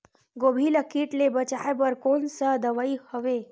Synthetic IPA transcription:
ɡobʱiləkiːʈlebət͡ʃaebəɾkonsad̪əʋaihəʋe

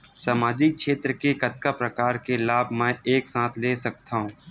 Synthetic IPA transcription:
saːmaːd͡ʒɪk̚ʃeːt̪ɾəkekɐt̪̚kapɾɐkaːɾkelaːbmɛ̃ːeːksãːt̪ʰleːsɐk̚t̪aːɦũː

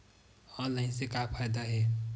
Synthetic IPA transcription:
ɔːnlaːɪnsekapʰaːjd̪aɦɛː

